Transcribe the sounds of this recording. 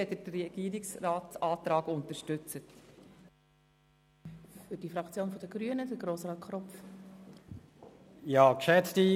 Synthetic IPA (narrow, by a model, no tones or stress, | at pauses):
ɛtəɾɛɡ̥iːɾɪksraːtt͡sɑːtɾɑːɡʊntəɾʃtʏt͡sət | fʏɾd̥ifɾɑkt͡sjoːnfɔd̥əɡ̥ɾyənəd̥əɡɾoːsɾɑːtkʰχɾɔpf | jɑːkʃɛt͡sti